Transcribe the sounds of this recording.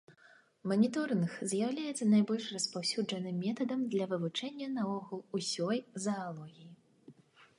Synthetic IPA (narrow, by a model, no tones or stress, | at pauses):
mɐnʲit̪ɔrnɨxzʲjawlʲajɛt̪sːɐnajbɔlʲʂrɐspawsʲud͡ʐɐnɨmʲːɛt̪ɐd̪ɐmd̪lʲɐvɨvut͡ʂɛnʲːɐnɐɔɣulˠusʲɔjzɐalˠɔɣʲiji